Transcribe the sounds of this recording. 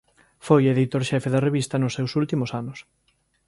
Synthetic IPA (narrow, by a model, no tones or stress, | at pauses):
fojeðit̪oɾʃɛfeðɐreβist̪ɐnʊsːewsult̪imʊsanʊs